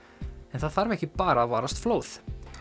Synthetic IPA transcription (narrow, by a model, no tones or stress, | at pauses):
ɛnθaðfaɾvɛhcɪpaːɾaːvaːɾast̪floːwθ